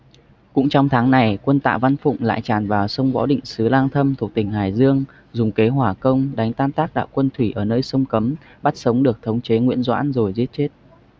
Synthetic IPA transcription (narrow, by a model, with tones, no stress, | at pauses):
kʊ̰˧˥ŋ͡mt͡ɕɔ˧wŋ͡mt̪ʰaː˨˦ŋna˨˩jkwə˧nt̪a̰ː˧˨wva˧nfʊ̰˧˨ŋ͡mla̰ː˧˨jt͡ɕaː˨˩nvaː˨˩wsə˧wŋ͡mvɔ̰˧˥ɗḭ̈˧˨ŋ̟sɨ˨˦laː˧ŋt̪ʰə˧mt̪ʰu˨˩ək̚t̪ï˨˩ŋ̟ɦaː˧˨˩jzɨ˧əŋ | zʊ˨˩ŋ͡mke˨˦ɦwaː˧˩kə˧wŋ͡mɗa˨˦jŋ̟t̪aː˧nt̪aː˦˥k̚ɗa̰ː˧˨wkwə˧nt̪ʰwi˧˩ʔəː˧˩nəː˧jsə˧wŋ͡mkə˨˦m | ɓa˦˥t̚sə˨˦wŋ͡mɗɨ˨˩ək̚t̪ʰə˨˦wŋ͡mt͡ɕe˨˦ŋwḭ˧˥ənzwa̰ː˧˥nzo˨˩jzi˦˥ət̚t͡ɕe˦˥t̚